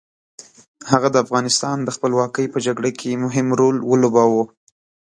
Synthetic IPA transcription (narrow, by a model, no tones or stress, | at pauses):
haɣad̪əafɣɑnɪst̪ɑnd̪əxpəlwɑkəjpəd͡ʒaɡɽakʰemʊɦɪmɾolwəlobɑwo